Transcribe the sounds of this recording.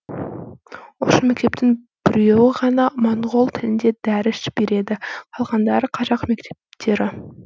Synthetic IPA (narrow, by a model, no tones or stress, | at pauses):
ʊʃəme̞k̚ʲt̪e̞p̚t̪ɪŋ | b̥ɪɾe̞wɪʁɑnɑmoɴʁo̞lˠt̪ʰɪlɪnd̪e̞d̪æɾɪsbe̞ɾe̞d̪ɪqʰɑlˠʁɑnd̪ɑɾəqʰɑʒɑqme̞kt̪ʰe̞̥pt̪ʰe̞ɾɪ